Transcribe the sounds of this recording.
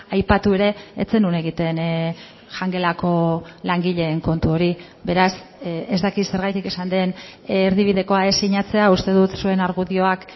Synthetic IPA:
ajpat̪ue̞ɾe̞et͡se̞nune̞ɣ̞it̪e̞n | ʝaŋɡe̞lako̞laŋɡiʎe̞ːŋko̞nt̪uo̞ɾi | be̞ɾasezd̪akise̞ɾɣajt̪ike̞sand̪e̞nːɾðiβ̞iðe̞ko̞aesiɲat͡se̞aust̪e̞ðut̪sue̞naɾɣuðio̞ak

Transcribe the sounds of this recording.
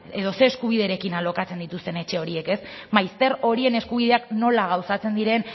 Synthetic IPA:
e̞ðo̞se̞ːskuβ̞iðe̞ɾe̞kinalo̞kat͡se̞nd̪it̪ust̪e̞ne̞t͡ʃe̞o̞ɾie̞ke̞smajst̪e̞ɾo̞ɾie̞ne̞skuβ̞iðe̞akno̞laɣ̞awsat͡se̞nd̪iɾe̞n

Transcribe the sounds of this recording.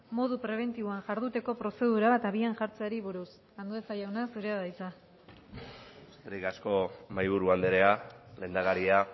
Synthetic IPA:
mo̞ðupɾe̞β̞e̞nt̪iβoanʝaɾðut̪e̞ko̞pɾo̞se̞ðuɾaβat̪aβianʝaɾt͡seaɾiβuɾus | and̪uesajawnasuɾeaðajt͡sa | eskeɾikasko̞majβ̞uɾuand̪eɾe̞ale̞nd̪aɣaɾia

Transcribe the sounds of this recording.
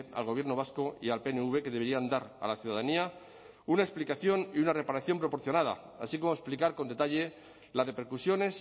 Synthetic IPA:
a̰lɣoje̞ɾno̞β̞askoialpe̞neuβe̞ke̞ðe̞e̞ɾiand̪aɾa̰laθjuðaðania | unaeksplikaθjoniunare̞paɾaθjo̞mpɾo̞po̞ɾθjo̞nað̞a̰a̰sikomoesplikaɾko̞nd̪e̞t̪aʎe̞ | lare̞pe̞ɾkusjo̞ne̞s

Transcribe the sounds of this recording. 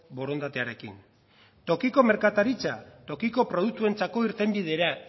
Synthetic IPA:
bo̞ɾo̞nd̪at̪e̞aɾe̞kḭn | t̪o̞kiko̞me̞ɾkat̪aɾit͡sat̪o̞kiko̞pɾo̞ð̞uk̚t̪ue̞nt͡sako̞iɾt̪e̞mbiðe̞ɾa

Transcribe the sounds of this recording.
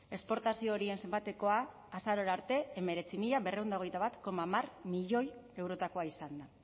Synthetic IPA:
e̞spo̞ɾt̪asio̞ːɾie̞nse̞mbat̪e̞ko̞aː | saɾo̞ɾaɾt̪e̞ːme̞ɾe̞t͡simiʎaβe̞re̞wnd̪aoɣe̞jt̪aβat̪ko̞mamarmiʎo̞je̞wɾo̞t̪ako̞aisand̪a

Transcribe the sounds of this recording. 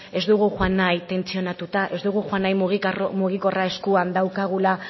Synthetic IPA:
e̞zd̪uɣ̞uxwanːajt̪e̞nt͡sio̞nat̪ut̪aʔe̞zd̪uɣ̞uxwanajmuɣimuɣ̞iko̞rae̞skuand̪awkaɣ̞ula

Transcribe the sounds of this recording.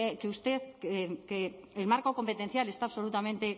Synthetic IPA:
ekeust̪eθkkeelmaɾkoko̞mpet̪en̟θjale̞st̪aːβso̞lut̪ament̪e

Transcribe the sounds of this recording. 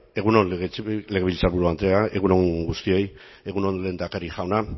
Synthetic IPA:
e̞ɣunonɣleɣeβilt͡saɾβuɾuant̪eae̞ɣuno̞ɡust̪ie̞j | e̞ɣuno̞nle̞ːnd̪akaɾiʝawna

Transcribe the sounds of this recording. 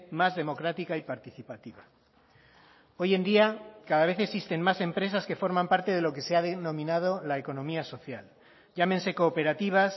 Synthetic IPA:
mazðe̞mo̞kɾat̪ikaipaɾt̪iθipat̪iβa | o̞je̞nd̪iakaðaβe̞θeksist̪e̞ŋmasẽ̞mpɾe̞saske̞fo̞ɾmãmpaɾt̪eð̞e̞loke̞seaðenõ̞mĩnað̞o̞laeko̞nõ̞miaso̞θja̰l | ʝamense̞koːpe̞ɾat̪iβ̞as

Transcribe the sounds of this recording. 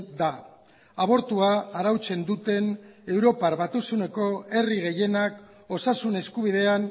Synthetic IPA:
d̪a | aβ̞o̞ɾt̪uaːɾawt͡se̞nd̪ut̪e̞ne̞wɾo̞paɾβat̪usune̞ko̞e̞riɣe̞je̞nak | o̞sasune̞skuβ̞ið̞e̞an

